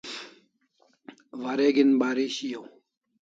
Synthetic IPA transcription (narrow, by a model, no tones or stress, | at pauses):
ʋɐɾeːɡinbaːɾiɕijoː